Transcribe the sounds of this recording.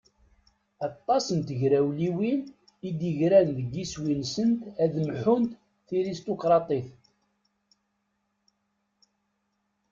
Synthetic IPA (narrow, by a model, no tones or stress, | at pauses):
ɑt̪ˤːɑsənt̪əʝɾæwliwin | id̪iʝɾænðəɡːiswinsənt̪æðmħunt̪ | θiɾist̪okɾˤɑt̪ˤiθ